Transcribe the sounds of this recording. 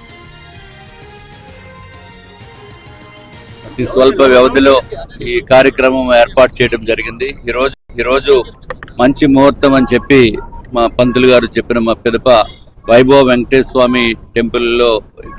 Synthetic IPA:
ɐt̪isʋɐlpɐʋjɐʋɐd̪ilo̞ːiːkaːɾjɐkɾɐmɐme̞ːɾpaːɾʈ̚t͡ʃɛːjɐɽɐmd͡ʒɐɾiɡind̪iiːɾo̞ːd͡ʒiːɾo̞ːd͡ʒumɐɲt͡ʃimuɦɐt̪ːɐmɐnit͡ʃe̞pːimaːpɐnt̪uluɡaːɾut͡ʃe̞pːinɐmaːpɛd̪ɐpɐʋɐjboːʋeŋkʈeːsʋaːmiʈe̞mpulːo̞ːi

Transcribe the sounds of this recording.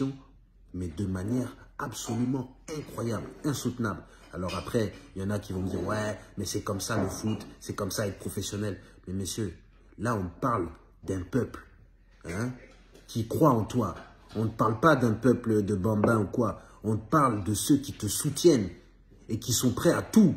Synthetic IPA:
sjɔ̃ | mɛd̪əmanjɛʁapsɔlymɑ̃ɛ̃kχwajablɛ̃sut̪nabl | alɔʁapχɛiljɑ̃nakʲivɔ̃md̪iʁwɛmɛsɛkɔmsaləfut̪sɛkɔmsaɛt̪pχɔfesjɔnɛl | mɛmesjø | laɔ̃paʁl | d̪ɛ̃pœpl | ɛ̃ | kʲʰikχwaɑ̃t̪wa | ɔ̃nəpaʁlpad̪ɛ̃pœpləd̪əbɑ̃bɛ̃ukwa | ɔ̃əpaʁld̪əsøkʲit̪əsut̪jɛn | ekʲisɔ̃pχɛat̪u

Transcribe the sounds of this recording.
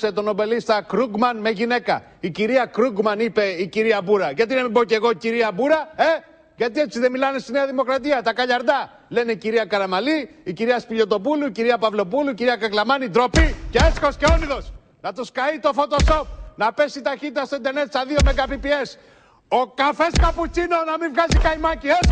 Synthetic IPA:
se̞t̪o̞no̞be̞list̪ɐkɾuɡmɐnme̞ʝine̞kɐ | iciɾiɐkɾuɡmɐnipe̞iciɾiɐbuɾɐʝɐt̪inɐmiboce̞ɣo̞iciɾiɐbuɾɐe | ʝɐt̪ie̞t͡siðemilɐne̞st̪ineɐðimo̞kɾɐt̪iɐt̪ɐkɐʎɐɾd̪ɐ | le̞neiciɾiɐkɐɾɐmɐliː | ciɾiɐspiʎo̞t̪o̞puluiciɾiɐpɐvlo̞puluiciɾiɐkɐklɐmɐnid̪ɾo̞piceesko̞sceo̞liðo̞s | nɐt̪uskɐit̪o̞fo̞t̪o̞so̞p̚nɐpe̞sit̪ɐçit̪it̪ɐst̪o̞ind̪e̞ɾne̞t̪sɐðio̞me̞ɡɐpipie̞s | o̞kɐfe̞skɐput͡sino̞nɐmivɣɐzikɐjimɐcies

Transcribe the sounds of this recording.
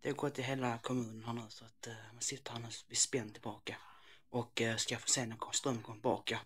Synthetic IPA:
d̪̥ɛhaɾɡɔt̪ʰːɪlɦeːlakʰɔmʉ̟ːnənɦæːɳʉːsɔat̪mansɪt̪ːəɾhæɳʉːvɪspɛnːt̪ʰɪlbɑːkaʔɔkːskafoːseːnakʰɔst̪ɾœmːəkʰɔmət̪ɪbɑ̰ːka

